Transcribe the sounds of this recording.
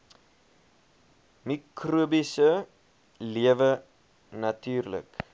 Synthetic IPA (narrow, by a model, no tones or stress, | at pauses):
mikruəbisə | liəvə | nɐtyːrlə̰k